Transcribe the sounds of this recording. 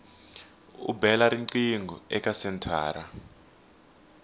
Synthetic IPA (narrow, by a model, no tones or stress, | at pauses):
ṵbɛlaɾiǀiŋɡʱɔɛk̬ʼasɛntʰa̰ːɾa